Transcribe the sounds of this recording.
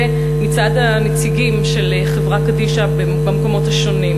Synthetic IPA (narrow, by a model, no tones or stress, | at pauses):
e | mit͡sad̪hamet͡siɡimʃe̞l | χevʁakadiʃabe | bamko̞mo̞thaʃo̞nim